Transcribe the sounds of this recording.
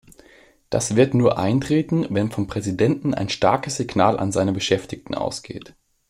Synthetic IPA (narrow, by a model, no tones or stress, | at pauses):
d̥a̰sv̥ɪɐtnuːɐʔaɪntʁ̥eːtn̩vɛnfɔmpʁ̥ɛzidɛntn̩a̰ɪnʃtaɐkəsz̥ɪɡnaːlʔa̰nzaɪnəbəʃɛftɪktn̩ʔa̰ʊsɡ̥ḛːt